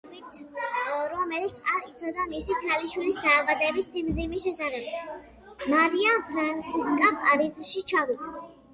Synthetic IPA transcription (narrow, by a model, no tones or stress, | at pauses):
mit̪ʰ | ɾɔmɛlit̪sʰaɾit̪sʰɔd̪amisikʰaliʃwilisd̪aːvad̪ɛbisːimd̪zimiʃɛsaɾɛbi | maɾiapʰɾansiskʼapaɾizʃit͡ʃʰavid̪a